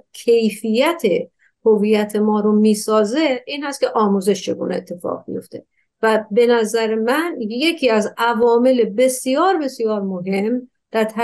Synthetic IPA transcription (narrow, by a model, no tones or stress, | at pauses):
kʰe̞jfijæt̪ʰe | hoviːjæt̪ʰe̞mɒːɾomiːsɒːzeiːnhæst̪̚cʰʲeʔɒːmuːzeʃt͡ʃʰe̞ɡṵːneːt̪ʰːe̞fɒ̰ːʁbḭjo̞̰ft̪ʰe̞ | væbe̞næzæɾemænje̞cʰiːæzævɒːme̞lebe̞sijɒːɾbe̞sijɒːɾmoɦe̞m | d̪̥æɾt̪ʰæ